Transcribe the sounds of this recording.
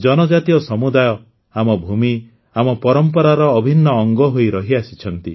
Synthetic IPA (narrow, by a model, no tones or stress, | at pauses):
d͡ʒɔnɔd͡ʒat̪iɔsɔmud̪ajɔ | amɔbʱumi | amɔpɔɾɔmpɔɾaɾɔːbʱinːɔːŋɡɔɦojɾɔɦiasi̥t͡ʃʰɔnt̪i